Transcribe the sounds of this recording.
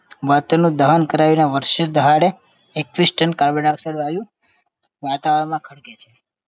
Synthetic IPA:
ʋat̪ənũd̪əɦankəɾaʋinaʋəɾʃed̪əɦaɽe | ekːʋisʈənkaɾbənaksəɽʋaʋjũ | ʋat̪aʋəɽmãkʰəɽket͡ʃʰe

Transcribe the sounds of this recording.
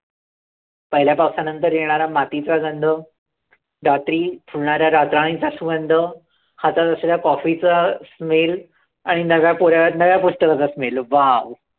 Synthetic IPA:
pəɦiljapawsanənt̪əɾjeɽ̃aɾamat̪it͡saɡənd̪ʱə | ɖat̪ɾiːt̪ʰuɭɳaɾjaɾat̪ɾaɽ̃it͡sasuɡənd̪ʱə | hat͡sat̪əsalakɔfit͡sasmel | aɽ̃inəʋjapuɾjanəʋjapusʈəkat͡sasmelʋaw

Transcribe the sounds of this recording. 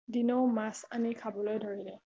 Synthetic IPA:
dinoʊmasanikʰabɔlojdʱoɹilɛ

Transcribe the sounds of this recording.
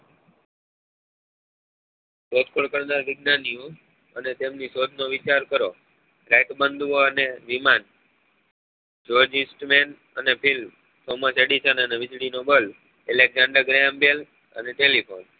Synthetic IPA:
sod̪̚koɭkəɾnaɾʋɪɡnanio | ənet̪emnisod̪ʱnoʋɪt͡ʃaɾkəɾo | ɾajʈbənd̪ʱʋoəneʋiman | d͡ʒoɾd͡ʒɪ̃sʈmen | ənepʰilm | soməseɽiʃənəneʋɪd͡ʒɽinobəl | ɛleɡd͡ʒãɳɖəɾɡɾeambel | ə̰neʈelipʰon

